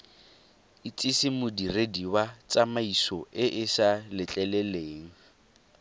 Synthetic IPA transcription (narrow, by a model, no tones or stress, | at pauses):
it͡sʼɪsɪmʊdirediwat͡sʼamaisɔʔɪʔɪsalɪt͡ɬʼɛlɛleːŋ̩